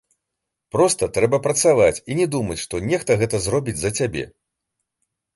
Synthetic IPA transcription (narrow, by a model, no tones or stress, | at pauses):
pɾɔst̪ɐt̪ɾɛbɐpɾɐt̪savat͡sʲinʲɛd̪umɐt͡sʲʂt̪ɔnʲɛxt̪ɐɣɛt̪ɐzrɔbʲid͡zʲzɐt͡sʲabʲɛ̰